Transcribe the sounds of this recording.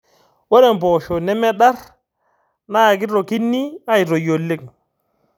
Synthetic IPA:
wo˦ɾe˦˨mbo˨ʃo˨nɛ˦me˦ɗa˦ɾ | na˦˨ɡi˦ɾo˨ki˦nːi˦a˦ji˨ɾo˨jo˨lːe˦k

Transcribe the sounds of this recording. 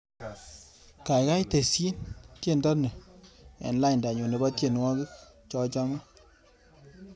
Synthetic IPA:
ka˨jka˦jte˨si˦ntje˦˨ntɔ˦tne˨ɛ̰˨nla˦ɪ˨nda˨ɲo˨ne˨ba˦tje˨nwɔ˦ɡi˦ | t͡ʃɔ˦t͡ʃɔ˦ŋa˦

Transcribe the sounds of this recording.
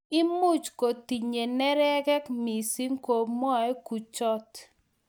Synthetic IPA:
ɪ˦mʊ˦˨t͡ʃko˨t̪i˨ɲe˨nɛ˦ɾɛ˦kɛ˦kmi˨si˦ŋko˨mɔ˦ɛ˦ku˨t͡ʃɔ˦t̪

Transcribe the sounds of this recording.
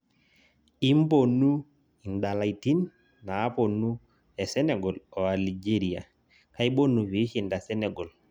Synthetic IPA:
i˦m˦bo˨nu˦ | i˨nda˨la˨i˨ti˦nː | aː˨˦po˨nu˦ | ɛ˨sɛ˦nɛ˨ɡɔ˨lɔ˨a˨li˨d͡ʒe˦ɾi˨a̰˨ | ka˦i˦ɓo˦nu˨wi˨˦ʃi˨nda˨sɛ˦nɛ˨ɡɔ˨l

